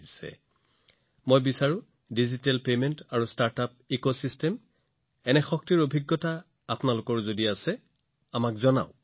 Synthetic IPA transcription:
isɛ̰ | mojbisaɹu | dizitɛlpemɛntaɹustaɹtap̚ikosistɛm | ɛnɛxɔk̚tiɹobʱiɡːɔtaː | pnalʊkɔɹzodiasɛ | amakzɔna̰ʊ

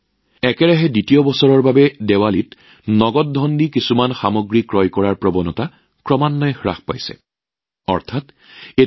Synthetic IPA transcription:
ɛkɛɹaɦɛditiɔbɔsɔɹɔɹbabɛdɛwalit | nɔɡɔt̚dʱɔndikisumanxamɔɡɹikɹɔjkɔɹaɹpɹɔbɔnɔta | kɹɔmanːɔjxɹa̰xpa̰jsɛ̰ | ɔ̰ɹtʰat | e

